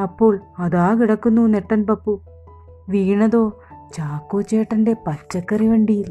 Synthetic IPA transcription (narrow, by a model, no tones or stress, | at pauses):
ɐpːo̞ːɭɐðaːkiɽɐkːunːuneʈːɐnpɐpːu | ʋiːɳɐðo̞ː | t͡ɕaːkːo̞ːt͡ɕeːʈːɐnde̞pɐt͡ɕːɐkːɐriʋeːɳɖijil